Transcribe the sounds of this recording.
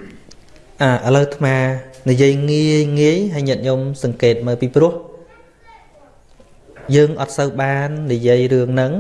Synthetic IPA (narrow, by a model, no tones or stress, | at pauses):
ʔaːʔələwt̪ʰmaːnijiəjŋiəjŋiəjɦajɲɛət̪̚ɲomsɑŋkeːt̪̚məːwpiːprʊ̆əh | jəːŋʔɑt̪̚səwɓaːnːijiəjrɨəŋnɨŋ